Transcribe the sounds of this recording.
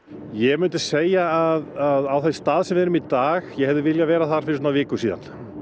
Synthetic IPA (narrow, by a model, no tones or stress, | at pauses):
jɛɣmʏnt̪ɪ̥seːjaaðaðawθe̥st̪aːðsɛmvɛɾʏmit̪aːɣjɛhɛvðɪvɪljavɛːɾaθaɾ̥fɪɾɪs̬tnavɪːkʏsiːða̰nl̥